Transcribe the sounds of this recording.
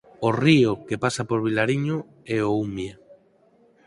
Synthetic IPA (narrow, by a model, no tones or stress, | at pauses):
oriokepasapoɾβ̞ilaɾiɲo | ɛoumje